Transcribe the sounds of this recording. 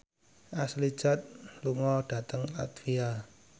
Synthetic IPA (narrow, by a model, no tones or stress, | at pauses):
ʔaslid̥ʒ̥a̤t̪̚luŋɔɖ̥a̤t̪əŋla̰t̪fia